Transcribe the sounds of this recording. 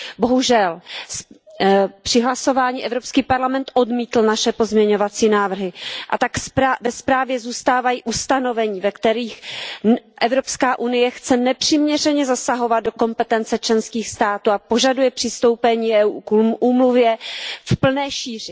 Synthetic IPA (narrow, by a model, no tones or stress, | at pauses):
bo̞ɦuʒɛls | pr̝̥ɪɦlaso̞vaːɲiːʔɛvɾo̞pskiːpaɾlamɛnt̪ʔodmiːt̪l̩naʃɛpo̞zmɲɛɲo̞vat͡siːnaːvr̩ɦɪʔat̪akavɛspɾaːvjɛzuːst̪aːvajiːʔust̪ano̞vɛɲiːvɛkt̪ɛɾiːx | ʔɛvɾo̞pskaːʔunɪjɛxt͡sɛnɛpr̝̥iːmɲɛrɛɲɛzasaɦo̞vad̪̚do̞ko̞mpɛt̪ɛnt͡sɛt͡ʃlɛnskiːxst̪aːt̪uːapo̞ʒadujɛpr̥ɪst̪o̞wpɛɲiːɛukuːmluvjɛfpl̩nɛːʃiːr̝ɪ